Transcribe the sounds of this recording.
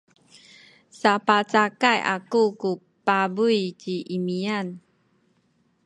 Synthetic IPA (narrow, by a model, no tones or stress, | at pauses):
sapat͡sakajʔa̰kuku | pabujt͡ɕiʔimian